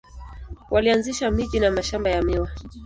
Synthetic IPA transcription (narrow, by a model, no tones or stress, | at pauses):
wʔalianziʃamiʄinamaʃambajamiwa